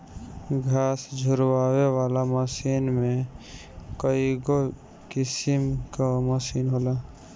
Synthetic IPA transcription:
ɡʱaːsd͡ʒʱʊɾwaːwewaːlaməsiːnmẽ | kəiɡo | kɪsɪmkaməsiːnɦoːlaː

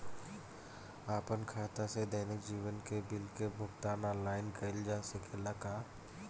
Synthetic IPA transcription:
aːpənkʰaːt̪ased̪əːnɪk̚d͡ʒiːʋənkebɪlkebʱʊkt̪aːnãːlaːɪnkɐɪld͡ʒaːsekʰelɐkaː

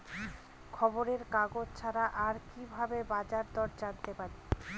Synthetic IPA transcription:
kʰɔboɾeɾkaɡod͡ʑt͡ɕʰaɾaʔaɾkibʱabebad͡ʑaɾd̪ɔɾd͡ʑaɾt̪epaɾe

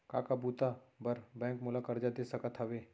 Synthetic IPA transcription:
ka̰ːkabuːt̪abɐɾbɛ̃ːŋkmʊlakɐɾd͡ʒad̪eːsɐkət̪ʰəʋeː

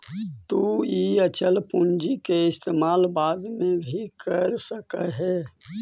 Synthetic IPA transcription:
t̪uiət͡ʃəlpund͡ʒikeɪst̪eːmaːlbaːd̪mẽbʱikəɾsəkəɦɛ

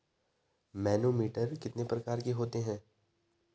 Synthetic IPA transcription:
mɛːnoːmiːʈəɾkɪt̪nepɾɐkaːɾkeɦoːt̪eɦɛ̃ː

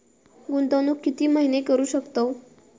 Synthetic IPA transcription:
ɡunt̪anuːkːit̪iːmaɦinekəɾuːɕəkt̪o

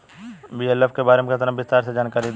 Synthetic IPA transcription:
biːɛləfkebaːɾemeket̪əɾəmbɪst̪aːɾsed͡ʒaːnkaːɾid̪

